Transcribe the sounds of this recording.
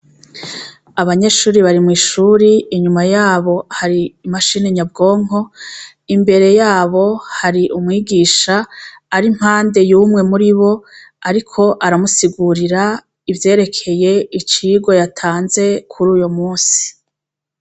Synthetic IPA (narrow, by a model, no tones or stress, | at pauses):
aβaɲe̞ʃuːɾiβaɾimŋiːʃuːɾiːɲumajaːβo̞haɾiːmaʃiːne̞ɲab̚ɡo̞ːŋ̥ɦo̞ | imbe̞ɾe̞jaːβo̞haɾiʔumŋiːɡiːʃaː | ɾim̥haːnde̞juːmŋe̞muɾiβo̞ | aɾikʰo̞ʔaɾamusiɡuɾiɾa | ivje̞ːɾe̞kʰe̞je̞it͡ʃiɡo̞jatʰaːnze̞kʰuɾuːjomuːnsi̥